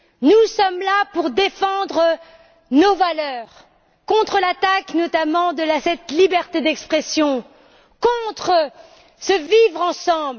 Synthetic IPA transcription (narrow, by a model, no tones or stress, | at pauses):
nusɔmlapuʁd̪efɑ̃d̪ʁə | novalœːʁ | kɔ̃t̪χəlat̪aknɔt̪amɑ̃d̪əlasɛt̪libɛʁt̪ed̪ɛkspχesjɔ̃ | kɔ̃t̪χə | səvivʁɑ̃sɑ̃bl